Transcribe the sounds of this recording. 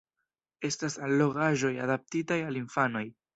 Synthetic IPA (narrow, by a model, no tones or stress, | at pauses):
e̞stasalːo̞ɡaʒo̞ja̰dap̚titajalinfano̞j